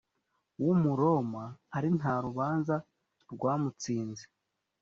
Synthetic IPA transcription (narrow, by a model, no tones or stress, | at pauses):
wumuɾo̞mahaɾin̥haɾuβaːnza | ɾɡwaːmut͡siːnze